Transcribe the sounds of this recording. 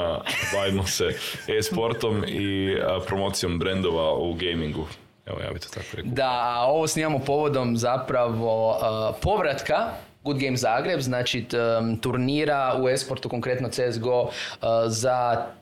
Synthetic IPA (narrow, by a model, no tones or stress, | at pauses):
baʋimoseespo̞ɾt̪omipɾomoːt̪sijo̞mbɾend̪oʋauɡejmiŋɡu | ḛʋoja̰ːbit̪ot̪akoɾekd̪ao̞ʋo̞sniːmamopo̞ʋo̞d̪o̞mzapɾaʋo̞po̞ʋɾat̪kaɡud̪ɡejmzaːɡɾe̞bznaːt͡ʃit̪uɾniːɾauespoɾt̪uko̞ŋkɾe̞t̪not̪sezɡo̞ | za